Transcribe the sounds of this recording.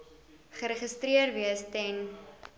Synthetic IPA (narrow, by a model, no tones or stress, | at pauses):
χəɾəχəstriərviəstɛn